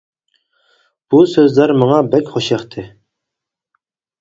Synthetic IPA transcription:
b̥usøzlæɾmɑŋɑbækʲχoʃɑχt̪ʰɨ

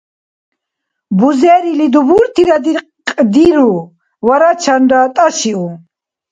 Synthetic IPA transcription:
buzɛːɾilid̪ubuɾt̪ʰiɾad̪i | qʼd̪iɾu | vaɾat͡ʃʰanɾat̪ʼaʃiu

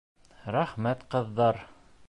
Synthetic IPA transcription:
ɾæχmæt̪qɤ̆ðːɑɾ

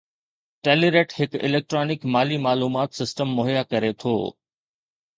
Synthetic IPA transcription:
ʈeːliɾeːʈhɪkɪ̰leːk̚ʈɾoːnɪkmaːlimaːluːmaːt̪sɪsʈəmːʊɦjakɐɾet̪ʰo̰ː

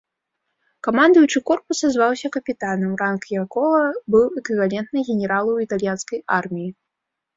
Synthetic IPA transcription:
kamand̪ujut͡ʂɨkɔrpusazvawsʲɐkɐpʲit̪anɐmrankjakɔɣɐbɨwɛkvʲivalʲɛnt̪̚nɨɣʲɛnʲɛɾalˠɐwit̪alʲjanskɐja̰rmʲiji

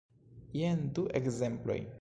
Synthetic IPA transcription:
jenduʔekze̞mplo̞̰j

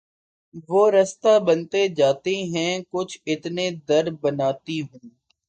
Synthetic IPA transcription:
ʋoːɾəst̪aːbənt̪ed͡ʒaːt̪eɦɛ̃ːkʊt͡ʃʰɪt̪nẽd̪əɾbənaːt̪iɦʊ̃ː

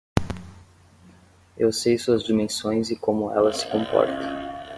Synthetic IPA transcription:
ewsejsuɐzd͡ʒimẽsõj̃zɪkõmʊɛlɐsɪ̥kõmpɔ̰ɾt̪ɐ̥

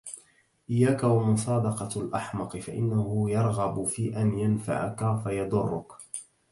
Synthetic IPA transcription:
ʔɪjːaːkawamʊsˤɑːd̪ɑqɑlʔɑħmɑqɨfaʔɪ̰nːahʊjɑɾˤɣɑbʊfiːʔanjanfa̰ʕa̰kafajɑd̪ˤʊrˤːʊ̰k

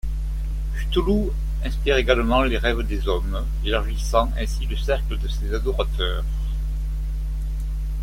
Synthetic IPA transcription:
fy̥t̪ulu | ɛ̃spiʁeɡaləmɑ̃leʁɛvd̪ezɔm | elaʁʒisɑ̃ɛ̃siləsɛʁkləd̪əsezad̪ɔʁat̪œːʁ

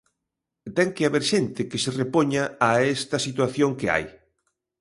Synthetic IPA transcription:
t̪ɛŋkeaβeɾʃent̪ɪkɪserepoɲaːest̪ɐsit̪waθjoŋkea̰j

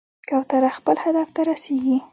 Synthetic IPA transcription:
kawt̪aɾaxpəlhad̪aft̪aɾaseɡi

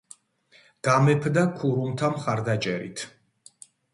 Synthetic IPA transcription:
ɡ̥amɛpʰd̪akʰuɾumt̪ʰamχaɾd̪at͡ʃʼɛɾḭt̪ʰ

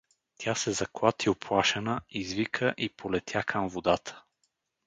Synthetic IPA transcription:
t̪ʲjasɛzɐklˠat̪ʰiʊpʰlˠaʃɛnəizvikʰəʔipolɛt̪ʰʲjakʰəmvod̪at̪ʰə̥

